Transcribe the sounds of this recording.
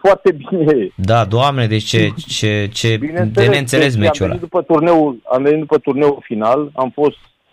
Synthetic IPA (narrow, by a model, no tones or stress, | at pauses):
foart̪e̞bineed̪ad̪oamned̪et͡ʃʲt͡ʃet͡ʃet͡ʃe̞binedeeeɨnt̪sele̞s̬memt͡ʃuenlaid̪upət̪urne̞wula̰mvenit̪̚d̪upət̪urneulfinalamfo̞st̪